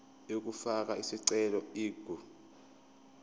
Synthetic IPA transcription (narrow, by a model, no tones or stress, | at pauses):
ok̬ufak̬ʼaisiǀɛlɔiːɡ̥ʱu